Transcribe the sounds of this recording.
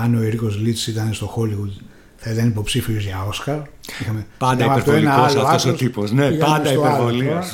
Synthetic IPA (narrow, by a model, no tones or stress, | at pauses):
ɐno̞iɾiko̞zlit͡ssit̪ɐnest̪o̞xo̞liɣut̪i | θɐit̪ɐnipo̞psifiozʝɐo̞skɐɾixɐmepɐnd̪ɐimɐeɾt̪oelinɐoɐloɐɐosot̪iposneiɐnd̪sɐioeɾɐvolis